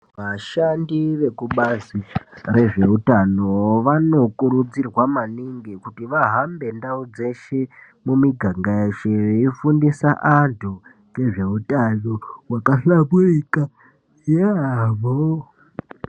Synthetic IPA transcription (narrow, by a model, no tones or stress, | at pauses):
ʋaʃandiʋe̞kuɓazire̞ʐe̞utano̞ʋano̞kuɾud͡zirwamaniŋɡikutiʋaɦambe̞ndaud͡ze̞ʃe̞ | mumiɡʱaŋɡaeʃeifundisaʔantʰu | ɡe̞ʐe̞utajowakaɬaβurika | jaʋo